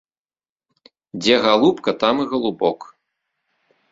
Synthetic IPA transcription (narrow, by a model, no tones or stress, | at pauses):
d͡zʲɛɣalˠupkɐt̪amɨɣɐlˠubɔk